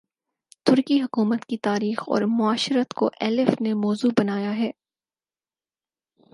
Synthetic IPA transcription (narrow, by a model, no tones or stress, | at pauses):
t̪ʊɾkiɦʊkuːmət̪kit̪aːɾiːxɔ̰ːɾmʊaːʃɾət̪ko̰ʔɛːlɪfnemɔːzubɐnaːjaɦɛː